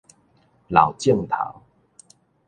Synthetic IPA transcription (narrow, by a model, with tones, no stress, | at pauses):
la̰˨˩ʊwt͡ɕjə˥˨ŋt̪ʰa̰˨˦w